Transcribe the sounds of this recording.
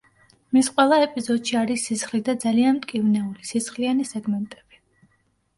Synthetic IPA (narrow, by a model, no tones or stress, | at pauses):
misqʼwɛlˠaɛpʼizɔd̪ʃiaɾisːisχlid̪ad̪zalianmt̪ʼkʼivnɛulisisχlianisɛɡmɛnt̪ʼɛb̥i